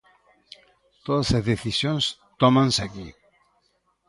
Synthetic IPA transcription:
t̪oðasazðeθisjons | t̪ɔmansaki

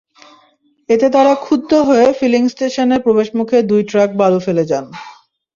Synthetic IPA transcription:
et̪et̪aɾakʰud̪ːoɦoefiliŋsʈeʃoneɾpɾobeʃmukʰed̪ujʈɾak̚balufeled͡ʑan

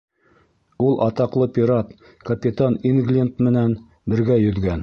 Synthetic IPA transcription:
ulˠʔɑt̪ɑqlˠɤpʲiɾat̪ | kɐpʲɪt̪aniŋɡlʲɪnt̪mɘ̆næn | bɘ̆ɾɡæjɵ̆ðɡæn

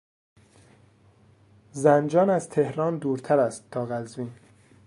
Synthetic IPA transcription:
zænd͡ʒɒːnæz̥t̪ʰehɾɒːnd̪uːɾt̪ʰæɾæst̪ːʰɒːɣæzviːn

